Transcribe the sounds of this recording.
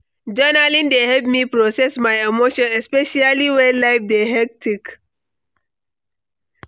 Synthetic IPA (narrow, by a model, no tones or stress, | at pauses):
d͡ʒɛnalĩndehɛp̚mipɹɔsɛsmajemoʃɔ̃nɛspɛʃaliwɛ̃laɪfdeɦɛk̚tʰik